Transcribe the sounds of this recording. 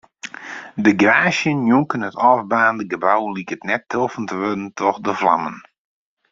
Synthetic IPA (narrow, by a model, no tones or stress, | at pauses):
dəɡraːʃjənjuŋkənətɔfbaːndəɡəbawlikətnɛtʰːofəntəʋødn̩tʰɔxdəfla̰mən